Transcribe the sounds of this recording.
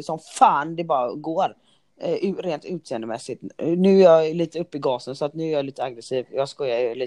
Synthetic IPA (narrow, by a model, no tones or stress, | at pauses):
sɔmfaːnd̪ɛbɑːɾaɡoːɾ | ɾeːnt̪ʉ̟ːt̪seːənd̪əmɛsːɪt̪nʉ̟ːæɾjɑliːt̪əɵpːɪɡɑːsənsɔat̪nʉ̟æɾjɑliːt̪əaɡɾɛsiːvjɑːɡskɔjːajəliː